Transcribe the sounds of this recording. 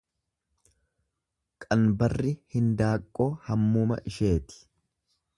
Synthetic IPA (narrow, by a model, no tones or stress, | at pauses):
kʼɐnbɐrːɪhɪnd̪aːkʼːo̞ːhɐmːuːmɐ̰ʔɪʃe̞ːt̪ɪ̥